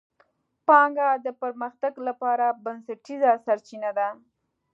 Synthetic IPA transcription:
pɑŋɡad̪əpaɾməxt̪aɡlapɑɾabansaʈizasaɾt͡ʃinad̪a

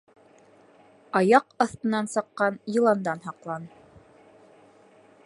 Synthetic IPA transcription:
ɑjɑqɑθt̪ɤ̆nːɑnsɤ̆qːɑnjɤ̆lˠɑnd̪ɑnɦɑqlˠɑn

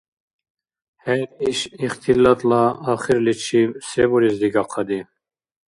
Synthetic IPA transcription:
hɛɾiʃiχt̪ʰilɑt̪lɑːxiɾlit͡ʃʰisebuɾizd̪iɡɑqʰɑd̪i

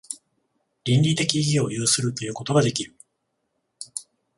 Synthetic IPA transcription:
ɾʲĩnʲɾʲit̪e̞kʲiɡʲio̞jɯːsɨɾɯ̟t̪o̞jɯ̟ːko̞t̪o̞ɡad̪e̞kʲiɾɯ̟

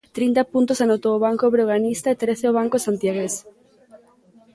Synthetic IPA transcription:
t̪ɾint̪apunt̪osanowt̪oːβ̞aŋkoβɾeɣanist̪aet̪ɾeθeoβ̞aŋkosant̪jaɣ̞es

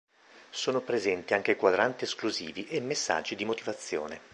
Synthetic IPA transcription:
soːnopɾezɛnt̪iaŋk̟ekwad̪ɾant̪ieskluziːviʔemːesːa̰d͡ʒːid̪imot̪ivat̪sːjo̰ːne

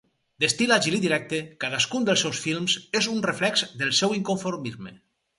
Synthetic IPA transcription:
d̪est̪ilaʒiliðiɾɛk̚t̪ekaðaskund̪əlˠsɛwsfilˠmzezunreflɛkzd̪elˠsɛwiŋkoɱfoɾmizmḛ

